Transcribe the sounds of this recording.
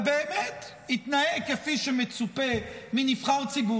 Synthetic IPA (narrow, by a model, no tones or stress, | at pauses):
beːmɛt | it̪naekefiʃɛmet͡supeminifχaʁt͡sibu